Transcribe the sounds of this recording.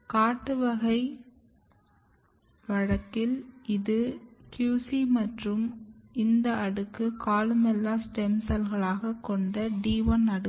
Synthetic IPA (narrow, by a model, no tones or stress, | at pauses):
kaːʈːɯʋɐɣɐɪ | ʋɐɻɐkːɪlɪðɯkjuːsimɐʈrɯmɪnd̪ɐɐɽɯkːɯkaːlmɛlːaːsʈɛmsɐlɣɐɭaːɣɐkːɔɳɖɐɖiːʋɐnɐɽɯ